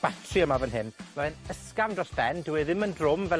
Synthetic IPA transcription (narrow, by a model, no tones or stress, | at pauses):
b̥atʰriəmavənɦɪnmɔðnəskamdrɔsb̥ɛndəwɛðɪməndrʊmvɛ